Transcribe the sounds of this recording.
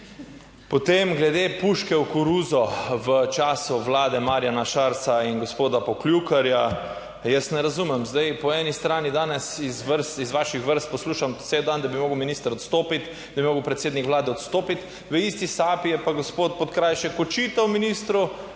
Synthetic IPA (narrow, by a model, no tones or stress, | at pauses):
pɔt̪emɡlɛd̪epuʃkɛwkuɾuːzɔʋət͡ʃaːsuʋlaːd̪ɛmaːɾjanaʃaɾt̪sainɡospoːd̪apɔklʲjukaɾja | jəst̪nɛɾazumɛmzd̪ajpɔɛːnist̪ɾaːnid̪aːnɛsizʋəɾst̪izʋaːʃixʋəɾst̪̚pɔsluːʃamsewd̪and̪abimoːɡəwminist̪əɾɔt̪st̪oːpit̪ | d̪abimoːɡəwpɾɛt̪seːd̪nikʋlaːd̪ɛɔt̪st̪oːpit̪ | ʋəist̪isaːpijɛpaɡospoːt̪̚pot̪kɾaːjʃɛkɔt͡ʃit̪awminist̪ɾu